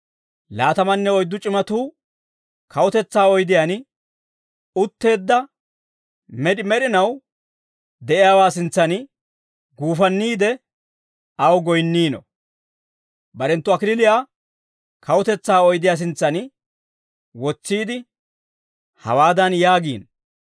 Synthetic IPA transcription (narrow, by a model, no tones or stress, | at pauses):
laːt̪ɐmɐnːɛɔjd̪ːʊt͡ʃʼɪmɐt̪uː | kʰɐwʊt̪ɛt͡sːaːɔjd̪ɪjaːn | ʊt̪ːe̞ːd̪ːɐ | mɛᶑɪmɛɗɪnɐw | d̪ɛʔɪjaːwaːsɪnt͡sːɐn | ɡuːfɐnːiːd̪ɛ | ɐwɡɔjnːiːnɔ̰ | bɐɾɛnt̪ːʊɐkɪlɪlɪjaː | kʰɐwʊt̪ɛt͡sːaːɔjd̪ɪjaːs̬ɪnt͡sːɐnɪ | wɔt͡sːiːd̪ɪ | hɐ̰waːd̪ɐnjaːɡiːn